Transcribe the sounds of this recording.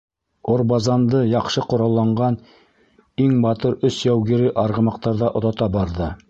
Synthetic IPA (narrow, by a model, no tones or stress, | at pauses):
ŏɾbɑzɑnd̪ɤjɑqʃɤqŏɾɑlˠːɑɴɢɑn | iŋbɑt̪ɤɾɵsjæwɡɘɾɘʔɑɾʁɤ̆mɑq̚t̪ɑɾðɑʔŏðɑt̪ɑbɑɾðɤ